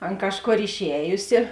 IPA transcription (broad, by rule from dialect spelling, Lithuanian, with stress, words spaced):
ˈɐn ˈkɑːʃˌkoːr ɪʃʲˈɛːjʊsʲɪ